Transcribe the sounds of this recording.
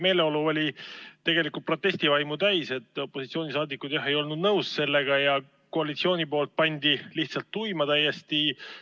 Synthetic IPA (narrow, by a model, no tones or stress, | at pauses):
me̞ːle̞o̞luo̞lʲit̪ːe̞ɡe̞likult̪̚pro̞t̪ːˑe̞sʲt̪ivɑjmut̪æjse̞t̪ːˑo̞pːo̞sit̪sio̞ːnisɑːd̪ikːud̪̥jɑɦe̞jo̞lnud̪nɤwsse̞lːe̞ɡ̥ɑjɑ | ko̞ɑlit̪sio̞ːnʲipo̞ːlt̪̚pɑnʲd̪̥iliht̪sɑlt̪ːujmɑt̪æjːest̪i